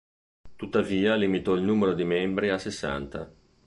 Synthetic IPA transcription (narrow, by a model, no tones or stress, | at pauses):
t̪ut̪ːaviːalimit̪ɔilnuːmeɾod̪imɛmbɾiasesːa̰nt̪a̰